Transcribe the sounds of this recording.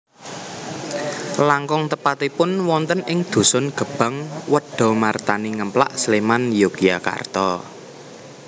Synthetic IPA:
laŋkɔŋt̪əpat̪ipʊnwɔnt̪ənɪŋd̪̥o̤sʊnɡ̥ə̤b̥ä̤ŋwəɖ̪̥ɔ̤mart̪aniŋəmpla̰ʔslemanjokijaka̰rt̪ɔ

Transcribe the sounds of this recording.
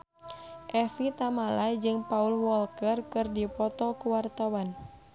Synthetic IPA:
ʔɛfit̪amalajd͡ʒɨŋpaulwɔlkɛrkɨrdipɔt̪ɔkuwart̪awan

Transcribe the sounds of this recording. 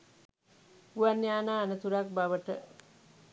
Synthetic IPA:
uanːjaːnaːnət̪uɾak̚baʋəʈə

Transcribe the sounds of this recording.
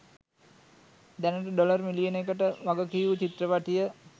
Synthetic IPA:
d̪ænəʈəɖolərmilijonekəʈəʋaɡəkiːʋut͡ʃit̪ɾəʋaʈijə

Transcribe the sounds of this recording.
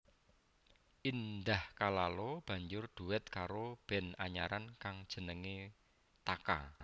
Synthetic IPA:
ʔind̪ahkalalob̥ä̤ɲd͡ʒʊrd̪̥ṳwɛt̪̚kaɾob̥ɛnaɲa̰ɾankaŋd̥ʒ̥ə̤nəŋe | t̪aka̰

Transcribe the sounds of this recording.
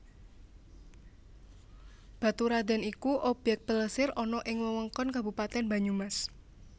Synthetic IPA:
b̥a̤t̪uɾad̪ɛ̤nikuʔob̥ɛk̚b̥ələsɪrɔnɔʔɪŋwəwəŋkɔnkabupat̪ɛnbaɲumas

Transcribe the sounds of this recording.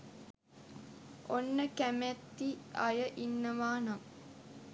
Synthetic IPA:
onːəkæmæt̪ːia̰jəʔinːəʋaːnam

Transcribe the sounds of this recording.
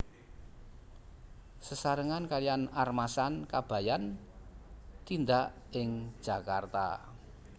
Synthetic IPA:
səsaɾəŋankaɾianarmasankab̥ä̤jan | t̪ind̪aʔ | ɪŋ̥ʒ̥a̤kart̪a̰

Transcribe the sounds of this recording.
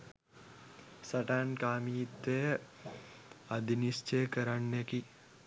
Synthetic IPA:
sɐʈaːnkaːmiːt̪ːe | ɐd̪ʱinist͡ʃejkɐɾaɳːeki

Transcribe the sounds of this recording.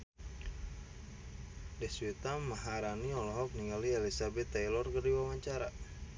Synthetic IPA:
dɛswit̪amaɦaɾaniɔlɔɦɔk̚niŋɡalielisabɛt̪ːajlɔrkərdiwawaɲt͡ʃaɾa

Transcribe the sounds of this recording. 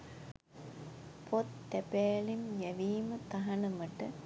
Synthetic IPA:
pʰot̪ːepeːlimjeʋiːmət̪ɐɦɐnɐməʈə

